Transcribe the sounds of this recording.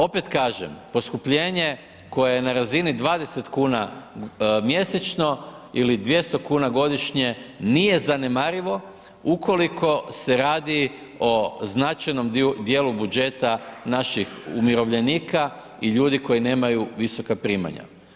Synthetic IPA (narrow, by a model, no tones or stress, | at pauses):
o̞pe̞t̪kaːʒḛmpo̞skupʎe̞ːɲe̞ | ko̞jejenaɾazinid̪ʋaːd̪e̞se̞t̪kuːna | mje̞set͡ʃno̞ilid̪ʋje̞st̪o̞kuːnaɡo̞d̪iʃɲe̞nije̞zane̞maɾiʋo̞ | ukʰo̞likʰo̞se̞ɾaːd̪i | o̞znat͡ʃajno̞md̪je̞ːlubud͡ʒe̞t̪anaʃixumiɾo̞ʋʎe̞niːka | iʎuːd̪iko̞jine̞ːmajuʋiso̞kapɾiːma̰ɲa̰